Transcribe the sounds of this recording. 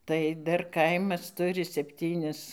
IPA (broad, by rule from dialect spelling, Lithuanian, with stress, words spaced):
tɐɪ ˈdɐr ˈkɐɪmɐs ˈtʊrʲɪ sʲɛpʲˈtʲiːnʲɪs